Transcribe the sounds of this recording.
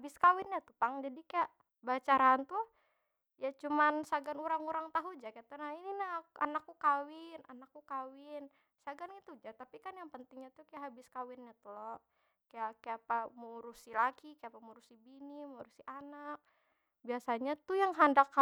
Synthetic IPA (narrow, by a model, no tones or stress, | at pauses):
bɪskawɪnɲat̪upaŋd͡ʒadikajaʔ | bat͡ʃaɾaːnt̪u | jat͡ʃumansaɡanuɾaŋuɾaŋt̪aɦud͡ʒakajat̪unaininaa̰nakːukawɪnanakːukawɪn | saɡanɡit̪ud͡ʒat̪apikanjaŋpənt̪ɪŋɲat̪ukajaʔɦabɪskawɪnɲat̪ulɔ | kajakajapamuɾusilakikajapamuɾusibinimuɾusiʔanak̚ | biasaɲat̪ujaŋɦandakːa